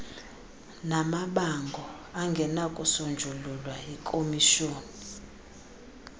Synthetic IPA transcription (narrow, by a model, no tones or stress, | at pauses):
namaɓaŋɡʱɔ | aŋɡʱɛnakʼusund͡ʒʱululwaikʼomiʃoːni